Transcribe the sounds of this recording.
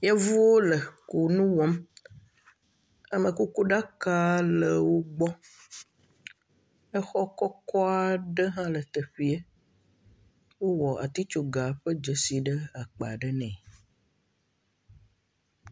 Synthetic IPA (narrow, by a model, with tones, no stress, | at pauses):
ja˦vu˦wo˦lə˨ku˨nũ˦wɔ˦m | a˨mə̃˨ku˦ku˦ɖa˦ka˦lə˨wo˦ɡ͡bɔ˦ | ɛ˦xɔ˦kɔ˦kɔ˦a˨ɖə˦ɦã˦lə˨t̪ə˨ɸi˨˦e˦ | wo˦wɔ˨ʔa̰˨t̪i˦t͡ʃo˨ɡa˨ɸə˦d͡ʒə˨si˨ɖə˦a˨k͡pe˨ɖə˦nɛ̰̃˨